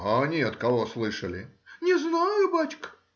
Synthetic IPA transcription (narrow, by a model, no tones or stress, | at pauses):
anʲet̪kɐvo̞slˠɨʂəlʲɪnʲɪznajʊbat͡ɕʲk